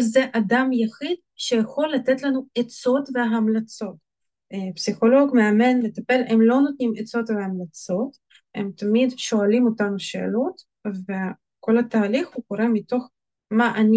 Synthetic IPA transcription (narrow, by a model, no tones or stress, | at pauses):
zeʔad̪amjaχid̪ | ʃejeχo̞lːat̪et̪lanuet͡so̞t̪veɦamlat͡so̞t̪ | psiχo̞lo̞ɡmeame̞nmet̪ape̞lʔemlo̞not̪nimet͡so̞t̪veamlat͡so̞t̪ | emt̪amid̪ʃo̞alimot̪amʃḛːlot̪ | ve | ko̞lat̪aːliχhukoɾemit̪o̞χ | maʔani